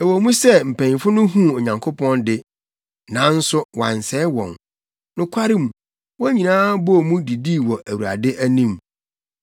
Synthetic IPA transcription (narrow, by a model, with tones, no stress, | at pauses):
ɛ˨wɔ˨mũ˦sɛ˦m̩˨pʰæ̃˨ɲ˨fʊ˦nʊ̃˦ɦũ˦o˨ɲã˨ŋkʰo˦pʰɔ̃˦ndɪ˦ | nã˨˦n̩˦sʊ˦wã̰˨n˨sɛ˦wɔ̰̃˨n | nʊ̃˨kʷʰa˦ɾɪ̃˦m˨ | wɔ˦ɲĩ˨nãː˦bɔ˦˨mũ˦di˨di˦˨wɔ˨ʔæ˨wu˨ɾa̰˨dɪ˦ʔæ˦nĩ˦˨m